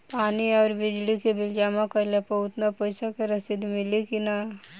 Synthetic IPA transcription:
paːniɔːɾbɪd͡ʒlikebɪld͡ʒamãkəlepɐɦʊt̪napəɪsakeɾɐsid̪mɪlikina

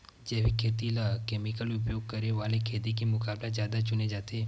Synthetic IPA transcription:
d͡ʒeʋikʰet̪ilakɛmikəlʊp̬joɡ̚kəɾeʋalekʰet̪ikimʊkablad͡ʒjad̪at͡ʃʊned͡ʒat̪e

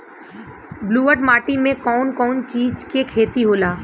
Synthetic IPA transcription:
bluːəɾɖmaːʈimẽkɔːnkɔːnt͡ʃiːd͡ʒkekʰeːt̪iɦoːlaː

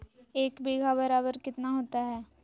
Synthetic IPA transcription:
eːkbeːɡʱabɐɾaːbəɾkɪt̪naɦoːt̪aɦɛː

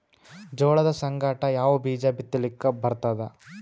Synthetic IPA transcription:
d͡ʒɔːɭɐd̪ɐsɐŋɡaːʈɐjaːʋɐbiːd͡ʒabit̪ːɐlikːebɐɾt̪aːd̪e

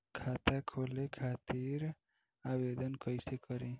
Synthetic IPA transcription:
kʰat̪akʰolekʰat̪iɾ | abed̪ənkəjsekəɾẽ

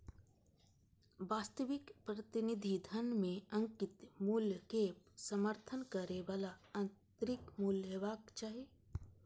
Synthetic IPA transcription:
ʋaːst̪əʋɪkpɾət̪ɪnɪd̪ʱid̪ʱənmẽɐ̃ŋkɪt̪muːljkeːp̚səməɾt̪ʰənkəɾeʋaːlaɐ̃nt̪ɾɪkmuːləʋaːkt͡ʃaːɦe

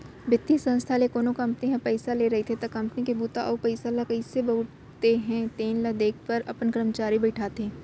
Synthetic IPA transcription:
bɪt̪ːisɐ̃nst̪ʰalekoːnokɐ̃mpniɦɐ̃pɛɪsaleɾɐɦit̪ʰet̪ɐkɐ̃mpnikebuːt̪aʔɔːpɐɪsalakɐisebɐʊʈ | t̪eɦɛ̃t̪eːnlɐd̪eːk̚ʰpɐɾɐpənkɾəmət͡ʃaːɾibɐɪʈʰaːt̪ɦẽː

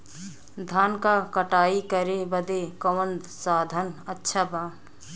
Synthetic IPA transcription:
d̪ʱaːnkakəʈaːikəɾebəd̪ekəwənd̪ | saːd̪ʱənətːʃʰabaː

